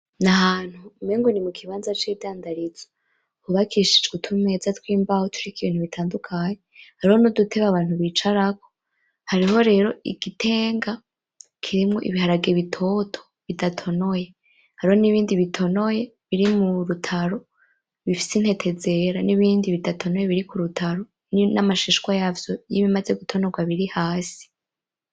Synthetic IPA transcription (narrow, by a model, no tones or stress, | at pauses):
naɦaːn̥humeːŋɡonimukʰiβaːnzat͡ʃiːvdaːndaɾizḁ | huβakʰiʃid͡ʒɡutʰume̞zatwiːmbahotʰuɾikiβiːn̥huβitʰaːndukʰaːɲehaɾiho̞nodutʰe̞βaβaːnhuβit͡ʃaɾako̞̥ | haɾiho̞ɾe̞ːɾo̞ḭɡ̥itʰe̞ːŋɡa | kʰiɾimŋo̞ʔḭβiɦaɾaɡeβitʰo̞tʰo̥ | βidatʰo̞no̞je̞ | haɾiho̞niβiːndiβitʰo̞no̞je̞βiɾimuɾutʰaɾo̞ | βifi̥sin̥he̞tʰe̞ze̞ɾaniβiːndiβidatʰo̞noje̞βiɾikuɾutʰaɾo̞ | ninamaʃiʃkwajaːvjo̞jiβimaze̞ɡutʰo̞no̞ɡwaβiɾihaːsi̥